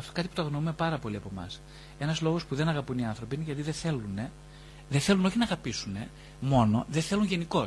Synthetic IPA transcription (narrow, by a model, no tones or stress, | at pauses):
ɐft̪okɐt̪ipu̥t̪oɣnoume̞pɐɾɐpoliɐpo̞mɐ̰s | e̞nɐzlo̞ɣo̞spuðe̞nɐɣɐpuniɐnθɾo̞piineʝɐt̪iðeθe̞lune̞ | ðeθe̞lunoçinɐɣɐpisune̞ | mo̞no̞̰ðeθe̞lunʝe̞niko̞